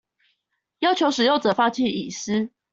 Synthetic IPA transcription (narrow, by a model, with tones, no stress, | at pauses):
jɑ˥ʊt͡ɕʰjo˧˦ʊʂɻ̩˨˩jo˥˩ʊʈ͡ʂɤ˨˩fa˥t͡ɕʰi˥˨i˨˩sɹ̩˦˥